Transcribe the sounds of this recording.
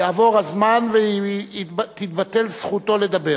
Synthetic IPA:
jaːvo̞ʁazmanve | t̪it̪̚bat̪elsχut̪o̞le̞d̪abe

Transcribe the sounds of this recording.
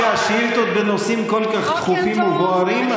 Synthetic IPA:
aʃeilt̪ot̪benosimkolkaχt̪χufimuboaɾim

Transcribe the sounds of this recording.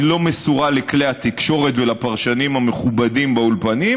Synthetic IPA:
lo̞mesuʁaleklehat̪ikʃo̞ʁe̞t̪velapaʁʃanimhameχubadimbaulpani

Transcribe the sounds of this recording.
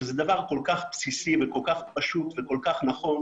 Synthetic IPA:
zɛd̪avaʁko̞lkaχpsisiveko̞lkaχpaʃut̪veko̞lkaχnaχo̞n

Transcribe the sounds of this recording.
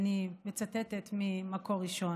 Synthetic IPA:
nimet͡sat̪et̪et̪mimako̞ʁiʃo̞

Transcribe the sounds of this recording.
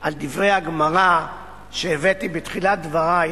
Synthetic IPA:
ald̪ivʁejaɡmaʁa | ʃeːvetibetχilad̪vaʁa

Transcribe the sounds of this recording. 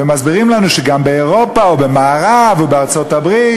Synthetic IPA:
emazbiʁimlanuʃɛɡambɛɛʁɔpaɔbɪmaːʁavubɪaʁt͡sɔtabʁi

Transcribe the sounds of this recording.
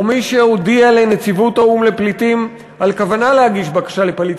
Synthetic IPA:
miʃeod̪iale̞net͡sivutaumle̞plitim | alkavanalehaɡiʃbakḁʃalepalit̪

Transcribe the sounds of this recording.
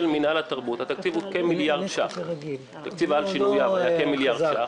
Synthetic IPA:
elminalat̪aʁbut̪hat̪ak̚t͡sivukemiljaʁd̪ʃaχ | t̪akt͡sivalʃinujavjakemiljaʁdʃa

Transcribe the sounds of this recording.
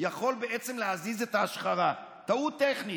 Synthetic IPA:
jaχo̞lbeʔet͡semlehazizet̪aːʃχaʁa | t̪aut̪eχni

